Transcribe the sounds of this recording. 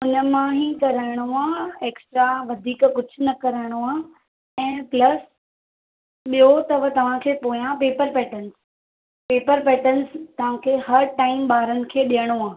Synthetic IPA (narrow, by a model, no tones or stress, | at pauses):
ʊnəmãɦikɐɾəɪɽ̃oaːeːksʈɾaʋɐd̪ʱiːkkʊd͡ʑʱʊ̆nɐkɐɾəɽ̃oaː | ɛ̃ːplɐs | ɓijot̪ɐʋət̪ɐʋ̤ãkʰeːpoːijãpeːpəɾpɛːʈəns | peːpəɾpɛːʈənst̪ɐʋ̤ãkʰeːɦɐɾʈaːɪmɓaːɾənɪ̆kʰeːɗijəɽ̃oaː